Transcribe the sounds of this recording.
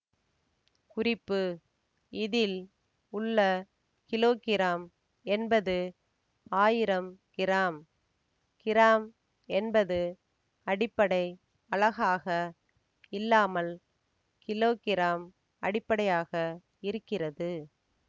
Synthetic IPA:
kʊrɪpːɯ | ɪðɪl | ʊɭːɐ | kɪloːkɪɾaːm | ɛnbɐðɯ | aːjɪɾɐmkɪɾaːm | kɪɾaːm | ɛnbɐðɯ | ɐɽɪpːɐɽɐɪ | ɐɭɐɣaːɣɐ | ɪlːaːmɐl | kɪloːkɪɾaːm | ɐɽɪpːɐɽɐjaːɣɐ | ɪɾɯkːɪrɐðɯ

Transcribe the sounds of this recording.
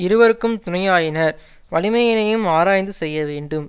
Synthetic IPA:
ɪɾɯʋɐɾɯkːɯmt̪ʊnɐjaːjɪnɐɾ | ʋɐɭɪmɐjɪnɐjɯmaːɾaːjnd̪ɯsɛjːɐʋeːɳɖɯm

